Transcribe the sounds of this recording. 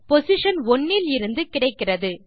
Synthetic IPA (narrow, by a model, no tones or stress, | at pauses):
pɔsɪʂɐnɔɳːilɪɾɯnd̪ɯkɪɽɐɪkːɪrɐðɯ